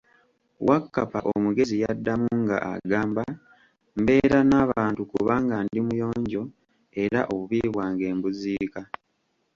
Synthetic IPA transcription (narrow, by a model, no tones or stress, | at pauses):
wakːapaʔomuɡe̞zijadːamuŋɡa̰ʔa̰ɡaːmba | mbe̞ːɾanaːβaːntukuβaŋɡandimujo̞ːɲɟo̞ | e̞ɾa̰ʔo̞βuβiːβwaːŋɡe̞ːmbuziːka